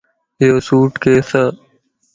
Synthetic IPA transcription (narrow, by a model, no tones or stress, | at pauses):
ɪjoːsuːʈkeːsə